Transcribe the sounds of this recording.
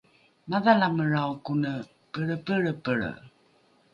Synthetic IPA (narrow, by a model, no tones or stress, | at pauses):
maðalaməɻawkunə | pəɭəpəɻəpəɭə̰